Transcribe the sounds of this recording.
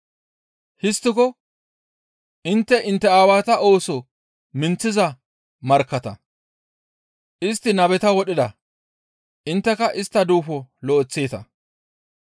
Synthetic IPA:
hɪst̪ːɪkɔ | ʔɪnt̪ːɛʔɪnt̪ːɛaːwaːt̪ɐʔo̞ːsɔ | mɪnt͡sːɪzɐ | mɐɾkːɐt̪ɐ̰ | ʔɪst̪ːɪnɐbɛt̪ɐwɔɗɪd̪ɐ | ʔɪnt̪ːɛkɐʔɪst̪ːɐd̪uːfɔlɔːt͡sːeːt̪ɐ

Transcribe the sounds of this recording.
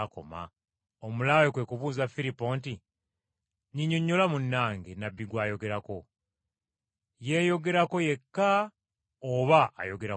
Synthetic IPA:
ko̞̰ma̰ | omulaːjokweːkuβuːzafilipːo̞nti | ɲiɲo̞ɲːo̞lamunːaːŋɡenabːiɡwaːjo̞ɡe̞ɾako̞ | je̞ːjo̞ɡe̞ɾako̞je̞kːa | oβaa̰jo̞ɡe̞ɾa

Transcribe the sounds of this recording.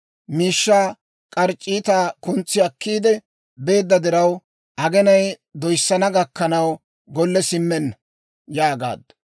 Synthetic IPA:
miːʃːaː | kʼɐɾt͡ʃʼːiːt̪aːkʊnt͡sːɪɐkːiːd̪ɛ | be̞ːd̪ːɐd̪ɪɾɐw | ʔɐɡɛnɐj | d̪ɔjsːɐnɐɡɐkːɐnɐw | ɡɔlːɛsɪmːɛnːɐ | jaːɡa̰ːd̪ɐ

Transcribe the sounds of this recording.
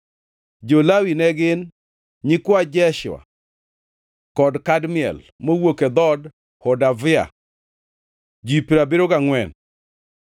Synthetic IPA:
d͡ʒolawinɛɡɪn | ɲikwad͡ʒɛʃʊ̰a̰ | kɔdkadmɪɛ̰l | mowoked̪ɔd | hɔdavɪa̰ | d͡ʒipiɾabeɾoɡaŋwɛn

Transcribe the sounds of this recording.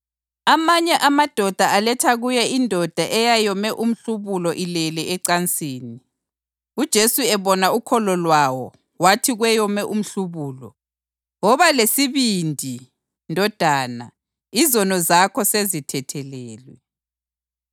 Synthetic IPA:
amaɲɛʔamad̥ʱɔd̥ʱaalɛtʰaɣujɛindʱɔd̥ʱaʔɛjajɔmɛʔum̩ɬuβulɔʔilɛlɛɛǀant͡sʼiːni | ud̥ʒ̥ʱesuɛβɔnaukʰɔlɔlwawɔ̰ | watʰiɣwɛjɔmɛʔum̩ɬuβuːlɔ̰ | ŋɔβalesiβindʱi | ndʱɔd̥ʱaːna | izɔnɔzakʰɔsezitʰɛtʰɛlɛːlwɛ

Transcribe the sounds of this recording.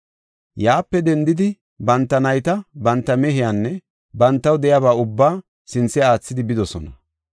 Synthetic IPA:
jaːpːɛd̪ɛnd̪ɪd̪ɪ | bɐnt̪ːɐnɐjt̪ɐbɐnt̪ːɐmɛɦɪjanːɛ | bɐnt̪ːɐwd̪ɛjaβaːʊbːaː | sɪnt͡sːɛaːt͡sːɪd̪ɪbɪd̪ɔsɔnɐ

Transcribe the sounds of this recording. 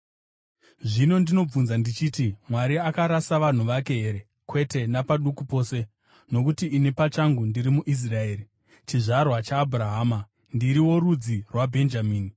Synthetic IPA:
ʐino̞ndino̞b͡vunzandit͡ʃiːtimwaɾiakaɾasaʋan̤uʋake̞ɦe̞ɾe | kwe̞te̞napaɗukupo̞ːse̞ | no̞kutiine̞pat͡ʃaŋɡundiɾimuʔis̬rae̞ːri | t͡ʃiʐarwat͡ʃaːbʱuraɦaːma | ndiɾiwo̞ɾud͡zirwabʱe̞nd͡ʒamiːni

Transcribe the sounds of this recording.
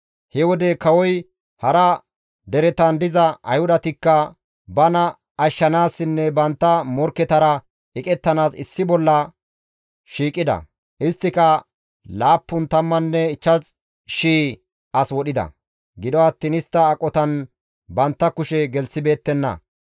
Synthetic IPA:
hɛwɔd̪ɛkɐwɔj | hɐɾɐ | d̪ɛɾɛt̪ɐnd̪ɪzɐʔɐ̰jhʊd̪ɐt̪ɪkːɐ | bɐnɐː | ʃːɐnaːsːɪnːɛbɐnt̪ːɐmɔɾkːɛt̪ɐɾɐ | ɪkʼɛt̪ːɐnaːsɪ̰sːɪbɔlːɐ | ʃiːkʼːɪd̪ɐ̰ | ʔɪst̪ːɪkɐ | laːpːʊnt̪ɐmːɐnːɛɪt͡ʃːɐt͡s | ʃiː | ʔɐswɔɗɪd̪ɐ̰ | ɡɪd̪ɔɐt̪ːiːnɪst̪ːɐːkʼːɔt̪ɐn | bɐnt̪ːɐkʊʃɛɡɛlsɪbe̞ːt̪ːɛnːɐ̰

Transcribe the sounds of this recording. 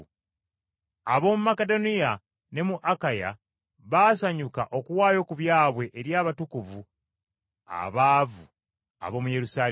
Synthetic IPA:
aβo̞ːmumake̞do̞nija | ne̞muʔakaja̰ | βaːsaɲukaʔo̞kuwaːjo̞kuβjaːβwe̞ʔeɾjaːβatukuvu | a̰βaːvu | a̰βo̞ːmuje̞ɾusaː

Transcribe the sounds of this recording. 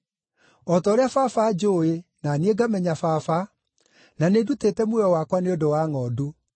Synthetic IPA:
ɔtɔːɾeafafad͡ʒoenanieɡamɛɲafafa | nanedutetɛmwɔwakwaneodowaːŋɔdu

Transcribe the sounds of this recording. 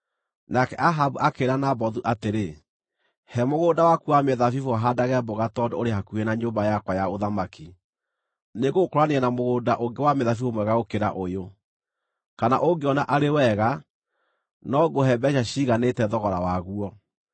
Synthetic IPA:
nakɛʔaɦabuʔakeːɾanabɔðuʔateɾe | hɛmoɣoːdawakuameðafifoaɦadaɣɛboɣatɔdooɾehakuɛnaɲoːmbajakwajaoðamaki | neɣokoɾwaneɛnamoɣoːndaʔoŋɡewameðafifomwɛɣaɣokeɾa̰ʔojo | kana̰ʔoŋɡeɔnaʔaɾewɛɣa | nɔɡohɛbɛɕaɕiɣanetɛðɔɣɔɾawaɣuɔ

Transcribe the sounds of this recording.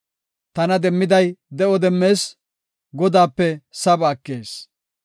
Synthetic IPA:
t̪ɐnɐd̪ɛmːɪd̪ɐjd̪ɛɔd̪ɛmːe̞ːs | ɡɔd̪aːpːɛsɐbaːkːeːs

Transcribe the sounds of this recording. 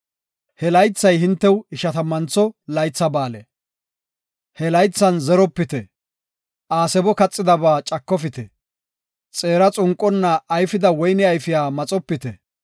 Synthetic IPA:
hɛlɐjt͡sːɐjhɪnt̪ːɛwɪʃɐt̪ɐmɐnt͡sɔlɐjt͡sːɐbaːlɛ̰ | hɛlɐjt͡sːɐnzɛɾɔpːɪt̪ɛ | ʔaːsɛbɔkɐt͡sʼːɪd̪ɐbaːt͡ʃʼɐkːɔfɪt̪ɛ | t͡sʼeːɾɐt͡sʼʊŋkʼːɔnːɐːjfɪd̪ɐwɔjnɪɐjfɪjaːmɐt͡sʼɔpːɪt̪ɛ

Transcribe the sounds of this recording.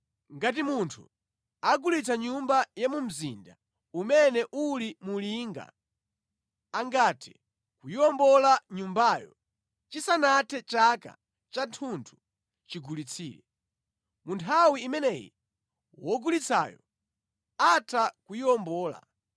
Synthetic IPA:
ŋɡat̬imuntʰṵ | aɡulit͡sʰaɲumbajamum̩zinda | umɛnɛʔulimuliːŋɡa̰ | aŋɡatʰɛ̰ | kujiɔmbɔlaɲumbaːjɔ̰ | t͡ʃisanatʰɛt͡ʃaka̰ | t͡ʃantʰuntʰu̥ | t͡ʃiɡulit͡sʰiːlɛ | muntʰawiːmɛnɛjḭ | wɔɡulit͡sʰa̰jɔ | atʰakujiɔmbɔːla̰

